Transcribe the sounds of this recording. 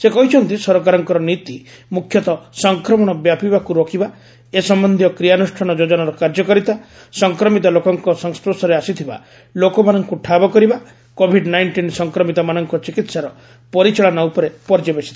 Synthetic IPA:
sekɔɦit͡ʃʰɔnt̪isɔɾkaɾɔŋkɔɾɔnit̪imukʰːjɔt̪ɔsɔŋkɾɔmɔɽ̃ɔbjapibakuɾokʰiba | esɔmbɔnd̪ʱjɔkɾijanusʈʰɔɽ̃ɔd͡ʒod͡ʒɔnaɾɔkaɾd͡ʒɔkɔɾit̪a | sɔŋkɾɔmit̪̬ɔlokɔŋkɔsɔŋspɾosɔɾeasit̪ʰiba̰ | lokɔmanɔŋkuʈʰabɔkɔɾiba | kobʱiɖnajɳʈinsɔŋkɾɔmit̪ɔmanɔŋkɔt͡ʃikit̪saɾɔ | pɔɾit͡ʃɔɭanaupɔɾepɔɾd͡ʒɔbesʰi̥t̪ʰḁ

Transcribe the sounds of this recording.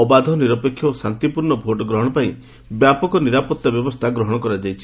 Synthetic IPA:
ɔbad̪ʱɔniɾɔpekʰːjɔsant̪ipuɾɳɔbʱoʈɔɡɾɔɦɔɽ̃ɔpaĩ | bjapɔkɔniɾapɔt̪ːabjɔbɔst̪ʰaɡɾɔɦɔɽ̃ɔkɔɾad͡ʒajt͡ʃʰi̥

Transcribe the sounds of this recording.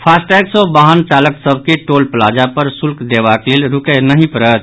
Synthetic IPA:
pʰasʈɛɡsə̃baɦənt͡ʃaləksəbʱkeʈolplad͡ʒapəɾsulkd̪ebaklelɾukənəɦĩpəɾət̪̚

